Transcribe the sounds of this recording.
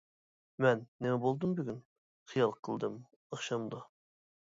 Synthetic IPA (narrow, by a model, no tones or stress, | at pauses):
mɛnːɪmɛbolˠd̪ɨmbyɡʲyn | χijɑlˠqʰəlˠd̪ɨm | ɑχʃɑmd̪ɑ